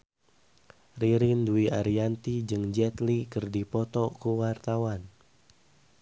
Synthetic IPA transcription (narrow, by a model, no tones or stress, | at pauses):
riɾinduiaɾiant̪id͡ʒɨŋd͡ʒɛt̪likɨrdipɔt̪ɔkuwart̪awan